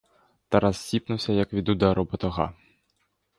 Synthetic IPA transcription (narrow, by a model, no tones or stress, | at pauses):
t̪ɐɾɐz̥sʲipnʊwsʲɐjɐkʋʲid̪ud̪ɛɾʊbɐt̪ɔɣɑ̰